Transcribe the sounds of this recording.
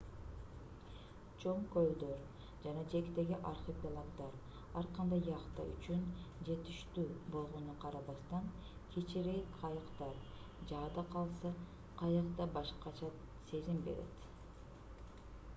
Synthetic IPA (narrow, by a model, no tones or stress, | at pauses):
t͡ʃʰoŋkøld̪øɾ | d͡ʒɑnɑd͡ʒe̞kt̪e̞ɡiʔɑɾχʲepʲilˠɑkd̪ɑɾ | ɑɾqɑnd̪ɑjɑqt̪ɑ̰y̰t͡ʃynd͡ʒe̞t̪iʃt̪yːbo̞lˠʁonuqʰɑɾɑβɑst̪ɑn | kʰit͡ʃiɾekʰɑjɑqt̪ɑɾ | d͡ʒɑːd̪ɑqʰɑlˠsɑ | qʰɑjɑqt̪ɑbɑʃqɑt͡ʃɑ | se̞zimbe̞̰ɾe̞̰t̪